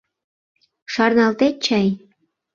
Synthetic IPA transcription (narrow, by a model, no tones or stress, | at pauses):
ʃɑrnɑlt̪et̪̚t͡ɕɑj